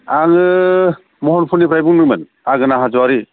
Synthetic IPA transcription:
aŋɯ | mɔɦɔnpʰuɾnipʰɾajbuŋmɯmɯn | aɡɯnaɦazɔwaɾi

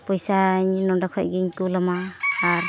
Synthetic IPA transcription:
pɔjsaɲnɔdakʰɔ̰c̚ɡiɲkulɔmaːɾ

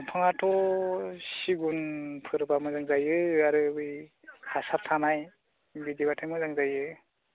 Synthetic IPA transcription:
pʰɔŋatʰɔ | siɡunpʰɯɾbamɯzaŋzajɯaɾɯbɯj | hasap̚tʰanaj | bidiβatʰajmɯzaŋzajɯ

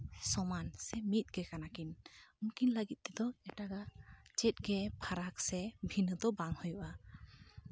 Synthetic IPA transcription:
sɔmansɛmit̪̚ˀɡ̥ɛkanakinunkinləɡit̪̚ˀt̪ɛd̪ɔɛʈaɡat͡ʃɛt̪̚ˀɡɛpʰaɾak̚sɛbʱinɯd̪ɔbaŋhɔjuʔa

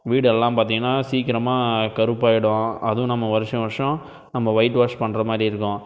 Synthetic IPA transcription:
ʋiːɽɛlːãːpaːɾt̪̬ĩːŋɐnːaːsiːkɪɾɐmaːkɐɾɯpːaːjɪɽʊ̃ɐðʊ̃nɐmːɐʋɐɾɯʂɐ̃ʋɐɾʂɔ̃ | nɐmːɐʋɐɪʈʋaːʂpɐɳːɾɐmaːd̪ɾiɪɾɯkːʊ̃

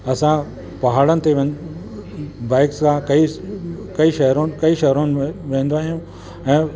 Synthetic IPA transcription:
ɐsã | pɐɦaːɽənɪt̪eʋɐ̃ | baːɪkskʰãkɐikɐiʃɐɦɾon̆kɐiʃɐɦɾonɪ̆ʋẽːnd̪oaːɦijũ | ɛ̃ː

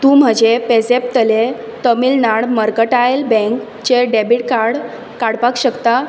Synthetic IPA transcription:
t̪ũːm̤əd͡ʑepesep̚t̪əle | t̪əmilnaɽməɾkəʈajlbẽŋk | t͡ɕeɖebiʈkaɾɽ | kaɽpakɕəkt̪a

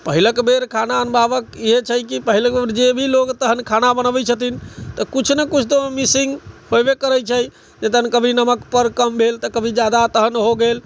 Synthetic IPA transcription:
pəɦiləkbeɾkʰanaənbabəkiɦet͡ʃʰəjkipəɦilək̚beɾd͡ʒebʱiloɡt̪əɦənkʰanabənəbɛt͡ʃʰət̪int̪əkut͡ʃʰnekut͡ʃʰt̪omisiŋɡhobekəɾəjt͡ʃʰəj | d͡ʒet̪əɦənkəbʱinəməkpəɾkəmbʱelt̪əkəbʱid͡ʒad̪at̪əɦənɦoɡel

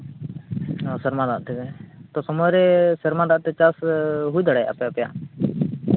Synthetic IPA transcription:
ɔsɛɾmãd̪aʔt̪ɛt̪ɔsɔmɔjɾɛsɛɾmãd̪aʔt̪ɛt͡ʃasɦujd̪aɽɛʔa̰pːpja̰ʔ

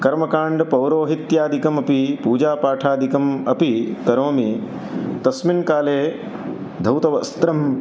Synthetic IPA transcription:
kɐɾmɐkaːɳɖpɐwɾoːɦit̪jaːd̪ʱikɐmɐpipuːd͡ʒaːpaːʈʰaːd̪ʱikɐmɐpit̪ɐɾoːmi | t̪ɐsminkaːleː | d̪ʱɐwt̪ɐʋɐst̪ɾɐm

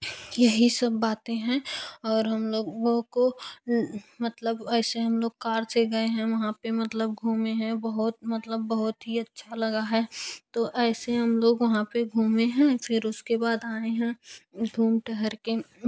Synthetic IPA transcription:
jɐɦisɐbːaːt̪ẽɦɛ̃ɔːɾɦɐmloːɡɡõko | mət̪ləbɛːseɦɐmloːɡ̚kaːɾseɡɐeɦɛ̃ʋɐɦãpemɐt̪ləb̚ɡʱuːmeɦɛ̃bɐɦʊt̪̚mɐt̪ləbːɐɦʊt̪ɦiɐtːʃʰalɐɡaɦɛːt̪oʔɛːseɦɐmloːɡʋɐɦãpeɡʱuːmeɦɛ̃fʰɪɾʊskebaːd̪aːeɦɛ̃ɡʱuːmʈɛɦəɾke

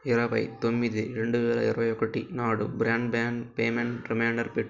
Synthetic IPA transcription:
ɪɾɐpɐ̰ɪt̪ɔmːiðɯɾɐɳɖɯʋeːlɐ̰ɪɾʋɐjɔkːɐʈːinaːɽɯ̰bɪɾaːɳɖbaːnpeːmɛnɾɪmaːɳɖɐɾpɪʈː

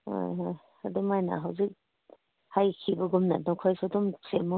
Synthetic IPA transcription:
hɔ̰jɦɔj | adumajna̰ɦawzik̚ | hajkʰibaɡumna̰nɔkʰɔjsɔdɔmsemɔ

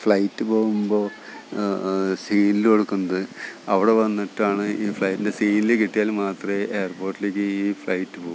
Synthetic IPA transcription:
fɭɐjtːɨpo̞ːɣumbo̞ː | siːniloɽukːunːɐðɨɐʋiɽe̞ʋɐnːiʈːaːɳɨʔiːfɭɐjtːindesiːnilekiʈːijaːlmaːt̪rɐʔe̞jɐrpo̞ːrʈːile̞ːk̬ʲːɨiːfɭɐjtːɨpoːɣ

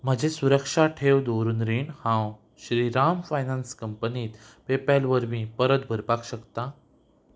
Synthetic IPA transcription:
m̤əd͡ʑesuɾəkʂaʈʰewd̪oɾunɾiːɳhãw | ɕɾiːɾamfajnanskəmpəniːt̪ | pepalʋəɾmiːpəɾət̪̚bʱəɾpakɕəkt̪a

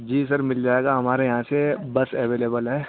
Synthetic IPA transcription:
d͡ʒiːs̬ɐɾmɪld͡ʒaːeːɡaɦɐmaːɾejɐɦãsebɐsɛʋeːleːbəlɦɛː

